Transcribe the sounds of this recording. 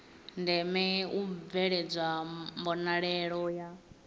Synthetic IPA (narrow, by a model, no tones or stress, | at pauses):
ndɛmɛuvɛɺɛd͡zʷambɔnaɺɛɺɔja